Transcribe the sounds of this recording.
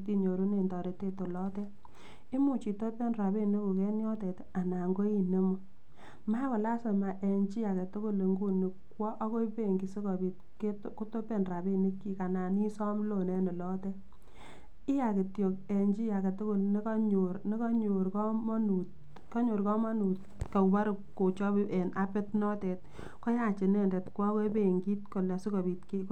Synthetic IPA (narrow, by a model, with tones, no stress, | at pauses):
t̬i˦ɲo˨ɾu˦ne˨ndɔ˨ɾe˨te˦to˨lɔ˦tɛ˦ | i˦mu˨t͡ʃi˨to˦pɛ˦nra˨be˦ni˦ku˨kɛ˦njɔ˦tɛ˨t | a˨na˨ŋɡo˦i˦ne˦mu˦ | ma˦kɔ˨la˦sɔ˨ma˨ʔe˨ɲd͡ʒi˦ja˨ke˨tʊ˦kʊ˦le˨ŋɡu˦ni˨kwɔ˦ʔa˦ko˦i˦pe˦˨ŋɡi˨sɪ˦kɔ˨bi˨t̚ | ktku˦to˦pe˦˨nra˨be˦ni˦kːi˨ka˨na˨ni˦sɔ˦mlo˨nɛ˦nɪ˨lɔ˦tɛ˦ | ɪ˦ja˨ke˨tjo˨ke˨nd͡ʒi˦ja˨kɛ˨tʊ˦kʊ˦˨lni˦kɔ˦ɲo˨ɾnɪ˦kɔ˦ɲo˨ɾkɔ˦mɔ˦nu˨t | kɔ˦ɲo˨ɾkɔ˦mɔ˦nu˨t | ka˨ba˦ɾʊ˨kko˨t͡ʃɔ˦bi˦ʔɛ˨na˦pɪ˦tnɔ˦tɛ˨t̚ | kɔ˦ja˨t͡ʃɪ˨nɛ˦˨ndɛ˨tkwɔ˦ko˦be˦˨ŋɡi˦tkɔ˨la˨sɪ˦kɔ˨bi˨tki˦